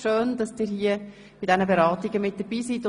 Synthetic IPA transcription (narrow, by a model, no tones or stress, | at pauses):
ʃøːnd̥ɑsd̥iːɾhiə | b̥ɪtd̥ɛnəbeɾɑːtɪɡəmɪt̚d̥əb̥iːsitʊ